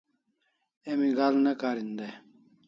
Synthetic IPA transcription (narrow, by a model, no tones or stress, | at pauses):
emiɡalnɐkaːɾind̪a